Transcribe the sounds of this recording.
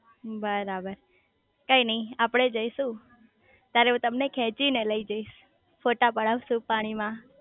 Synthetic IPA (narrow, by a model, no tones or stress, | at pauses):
bəɾabəɾ | kəinəĩapɽ̃ed͡ʒəiʃũ | t̪jaɾeũt̪əmnekʰɛ̃t͡ʃineləid͡ʒəiʃ | foʈapəɽaʋʃũpaɽ̃imã